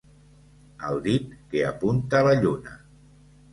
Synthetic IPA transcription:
awd̪it̪̚kea̰punt̪aːlaʎuna̰

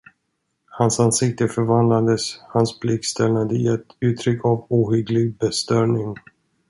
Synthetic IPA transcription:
hansansɪk̚t̪əfœɾvand̪lad̪əshanspʰlɪk̚t̪st̪ʰɛlnad̪əɪɛt̪ʉ̟ːt̪ʰɾʏkʰːavuːhʏɡlɪɡ̚bɛst̪œɾɳɪŋ

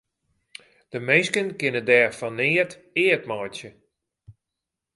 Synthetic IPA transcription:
d̥əmeskənkɪnədɛːfɔnɪːərt | ɪətmɔjtjə

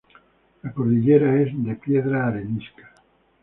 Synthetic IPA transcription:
lakoɾðiʎeɾaezd̪epjeðɾaːɾeniskḁ

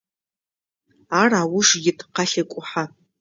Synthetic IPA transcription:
araːwʊʂɡʲɪtʰʼqaɬakʷʼʊħa

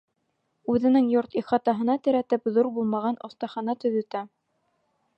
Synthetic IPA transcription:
ʉðɘ̆nɘŋjoɾt̪iχɑt̪ɑɦɤ̆nɑt̪ɘ̆ɾæt̪ɘpðuɾbulˠmɑʁɑnʔŏθt̪ɑχɑnɑt̪ɵ̆ðɵ̆t̪æ

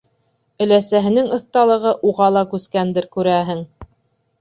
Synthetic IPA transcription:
ɵ̆læsæɦɘ̆nɘŋɤ̆θt̪ɑlˠɤ̆ʁɤʔuʁɑlˠɑkʉskænd̪ɘɾkʉɾæɦɘŋ

